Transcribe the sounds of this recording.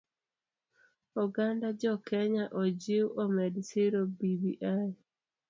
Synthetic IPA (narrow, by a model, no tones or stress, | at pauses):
ɔɡandad͡ʒɔkɛɲaʔɔd͡ʒiwomɛdseɾobibiʔa